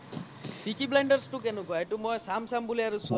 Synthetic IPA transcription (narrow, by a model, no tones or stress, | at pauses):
pikibleɳɖɔɾsʈukenuɡɔjʈumɔjsamsambuliaɾusu